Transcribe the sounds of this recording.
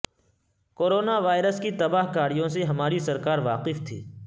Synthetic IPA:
koːɾoːnaʋaːɪɾəskit̪ɐbaːɦkaːɾijõseɦɐmaːɾisɐɾkaːɾʋaːqɪft̪ʰiː

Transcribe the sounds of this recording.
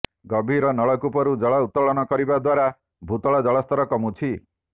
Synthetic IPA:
ɡɔbʱiɾɔnɔɭɔkupɔɾud͡ʒɔɭɔut̪ːɔɭɔnɔkɔɾibad̪waɾa | bʱut̪ɔɭɔd͡ʒɔɭɔst̪ʰɔɾɔkɔmut͡ʃʰi

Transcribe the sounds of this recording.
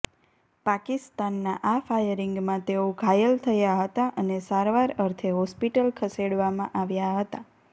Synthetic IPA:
pakist̪anːaʔafajəɾiŋɡmãt̪eoɡʱajəlt̪ʰəjaɦət̪aʔənesaɾʋaɾəɾt̪ʰeɦɔspiʈəlkʰəseɽʋamãʔaʋjaɦət̪a

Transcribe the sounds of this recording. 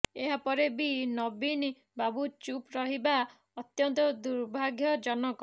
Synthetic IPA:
eɦapɔɾebinɔbin | babut͡ʃupɾɔɦiba | ɔt̪jɔnt̪ɔd̪uɾbʱaɡjɔd͡ʒɔnɔkɔ

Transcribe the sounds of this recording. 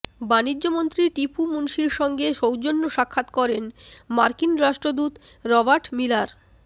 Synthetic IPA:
banid͡ʑːomont̪ɾiʈipumunʃiɾʃɔŋɡeʃowd͡ʑonːoʃakʰːat̪kɔɾenmaɾkinɾaʃʈɾod̪ut̪ɾɔbaɾʈmilaɾ

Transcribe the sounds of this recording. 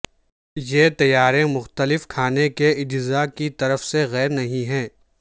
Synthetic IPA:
jeːt̪ɐjaːɾẽmʊxt̪əlɪfkʰaːnekeɪd͡ʒzakit̪ɐɾəfseɣɛːɾnɐɦĩɦɛ̃ː

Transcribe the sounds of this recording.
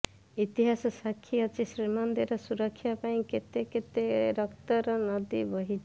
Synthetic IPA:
it̪iɦasɔsakʰːiʌt͡ʃisɾimʌnd̪eɾɔsuɾʌkʰːjapaĩket̪eket̪eɾʌkt̪ɔɾɔnʌd̪ibɔɦit͡ʃ

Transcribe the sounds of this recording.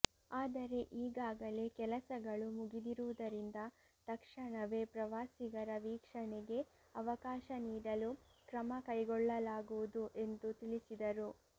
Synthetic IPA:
aːd̪ɐɾe̞ʔiːɡaːɡɐle̞kɛlɐsɐɡɐɭumuɡid̪iɾuʋud̪ɐɾind̪ɐ | t̪ɐkʂɐɳɐʋe̞pɾɐʋaːsiɡɐɾɐʋiːkʂɐɳeɡe̞ | ɐʋɐkaːʃɐniːɽɐlukɾɐmɐkɐjɡɔɭːɐlaːɡuʋud̪uʔe̞nd̪ut̪iɭisid̪ɐɾu

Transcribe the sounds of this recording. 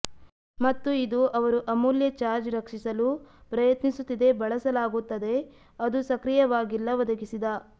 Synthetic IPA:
mɐt̪ːuid̪uʔɐʋɐɾuʔɐmuljɐt͡ʃaːɾd͡ʒɾɐkʂisɐlupɾɐjɐt̪nisut̪ːid̪e̞bɐɭɐsɐlaːɡut̪ːɐd̪e̞ | ɐd̪usɐkɾijɐʋaːɡilːɐʋɔd̪ɐkisid̪a

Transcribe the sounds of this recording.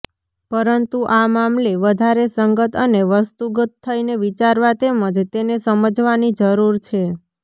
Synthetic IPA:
pəɾənt̪uʔamamleʋəd̪ʱaɾesəŋɡət̪ʰəneʋəst̪uɡət̪ʰːəineʋit͡ʃaɾʋat̪eməd͡ʒt̪enesəməd͡ʒʋanid͡ʒəɾuɾt͡ʃʰe

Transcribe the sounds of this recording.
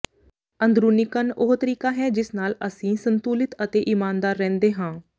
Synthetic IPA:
ənd̪ɾuːnɪkənʊɦt̪əɾiːkaːɦɛːd͡ʒɪsnaːləsĩːsənt̪uːlɪt̪ət̪eːʔiːmaːnd̪aːɾːɛ̃ːnd̪eːɦãː

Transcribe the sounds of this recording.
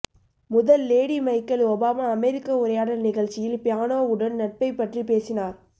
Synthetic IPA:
mʊðɐlːeːɽimɐɪkːɐlɔbaːmaːɐmɛɾɪkːɐʊɾɐjaːɽɐlnɪɣɐɭt͡ʃːɪjɪlpɪjaːnoːʊɽɐnnɐʈ̚pɐɪpːɐʈripeːsɪnaːɾ

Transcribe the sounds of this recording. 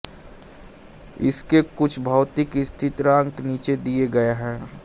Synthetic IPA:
ɪ̰skekʊt͡ʃʰbʱaʊt̪ɪkɪst̪ʰɪt̪ɾãŋkniːt͡ʃed̪ieɡɐeɦɛ̃ː

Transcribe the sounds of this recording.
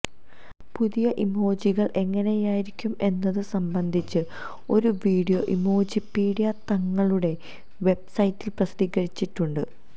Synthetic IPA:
puðijɐʔimo̞ːd͡ʑiɣɐɭʔe̞ŋːɐnejaːjiɾikʲːume̞nːɐðɨsɐmbɐnd̪ʱit͡ɕːɨ | o̞ɾuʋiːɽijo̞ʔimo̞ːd͡ʑipiːɽijɐt̪ɐŋːɐɭuɽe̞ | ʋe̞b̚sɐjitːilprɐsd̪iɣɐɾit͡ɕːiʈːuɳɖɨ

